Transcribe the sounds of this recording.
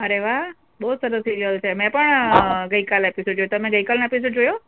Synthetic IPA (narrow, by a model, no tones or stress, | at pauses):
əɾeʋaɦ | bəɦud̪səɾəsiɾiəlt͡ʃʰemɛ̃pəɳɡəikalepisoɖd͡ʒojot̪əmẽɡəikalnepisoɖ̚d͡ʒojo